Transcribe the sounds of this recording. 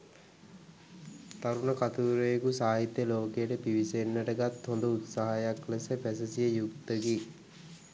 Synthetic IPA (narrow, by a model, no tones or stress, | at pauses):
t̪aɾunəkat̪uːɾejekusaːɦit̪ːjəloːkejəʈəpiʋisenːəʈəɡat̪hond̪əut̪saɦajakləsəpæsəsijəjukt̪əɡi